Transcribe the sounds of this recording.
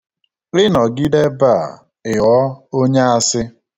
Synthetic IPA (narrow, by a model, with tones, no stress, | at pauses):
lɪ˦nɔ˨ɡi˦de˦ba˦˨ | ɪ˨ɔ˦o˦ɲe˦a˨sɪ˦